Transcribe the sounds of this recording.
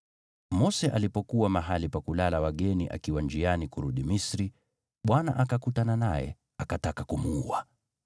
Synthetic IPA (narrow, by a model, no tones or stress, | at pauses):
mɔsɛʔalipɔkuwamaɦalipakulalawaɠɛniʔa̰kiwand͡ʒianikuɾuɗimisɾi | ɓwana̰ʔakakutananajɛ̰ | akatakakumuua